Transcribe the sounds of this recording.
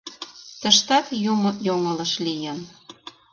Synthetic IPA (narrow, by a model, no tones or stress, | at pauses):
t̪əʃt̪ɑt̪jumojoŋɤlə̆ʃlijən